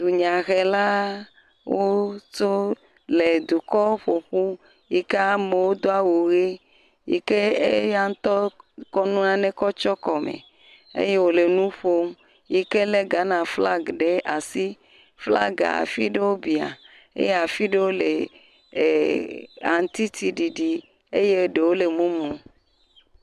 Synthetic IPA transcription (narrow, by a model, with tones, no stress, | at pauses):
d̪u˨ɲã˨ɣe˨la˦ | wʔo˦t͡ʃo˦ | le˨d̪u˨kɔ˦ɸo˨ɸu˦ | ji˨ke˦a˦me˨wo˦d̪o˦a˦wo˨ɣe˦ | jḭ˨ke˦e˦ja˦ŋ̩˦t̪ɔ˦kɔ˦nũ˦nã˦nẽ˦kɔ˦t͡ʃɔ˦kɔ˨mḛ˨ | ḛ˦je˦wo˨le˨nũ˦ɸo˦m | ji˨ke˦le˦ɡa˨˦nã˨fla˦ɡɖe˦ʔa˨si˦ | fla̰˦ɡa̰˨a̰˨fi˦ɖe˦wo˦bi˨a̰˨ | ḛ˦je˦a˨fi˦ɖe˦wo˦le˨ | a̰˨ŋ˨˦t̪i˦t̪ʰi˨ɖi˨ɖi˨ | ḛ˦je˦ɖe˨wo˦le˨mũ˦mũ˨